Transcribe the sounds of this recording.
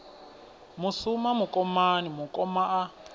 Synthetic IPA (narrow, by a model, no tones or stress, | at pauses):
musumamukʼɔmanimukʼɔmaʔa